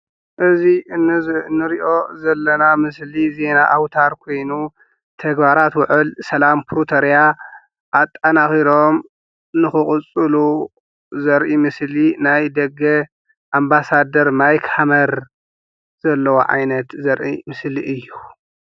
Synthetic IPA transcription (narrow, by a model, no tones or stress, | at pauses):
ʔɨziɨnːɨnːɨɾiʔo̞zɐlːɐnamɨslize̞naʔawt̪ʰaɾkʰo̞jnu | t̪ʰɐɡbaɾat̪wʊʕʔɨlsɐlampʰɾut̪ʰoɾija | ʔːt̪ʼːɐnaxiɾo̞m | nɨxɨχʼʊt͡sʼɨlu | zɐɾʔimɨslinajd̪ɐɡɐ | ʔambasad̪ɐɾmajkhamɐɾ | z̥ɐlːɐwo̰ʕa̰jnɐt̪zɐɾʔimɨsliʔɨjːu